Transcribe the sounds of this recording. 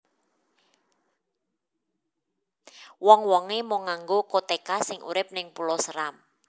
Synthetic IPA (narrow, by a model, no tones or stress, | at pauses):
wɔŋwɔŋemoŋaŋɡokot̪ekasɪŋʔṵɾɪp̚nɪŋpulɔsəɾam